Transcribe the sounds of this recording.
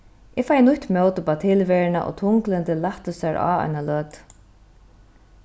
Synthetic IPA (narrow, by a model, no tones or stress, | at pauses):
ʔɛfaːjnʊçʲt̪mɔːwt̪əpat̪ʰɪlʋɛɹɪna̰ʔɔ̰ːt̪ʰʊŋklɪnt̪ɪlːaht̪əsaɹʔa̰a̰jnalœːt̪